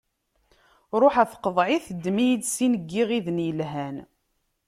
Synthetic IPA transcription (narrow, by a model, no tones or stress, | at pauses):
ɾˤoħæθqəðˤʕiθd̪ːmijəd̪sinəɡːiʁiðnjəlɦæn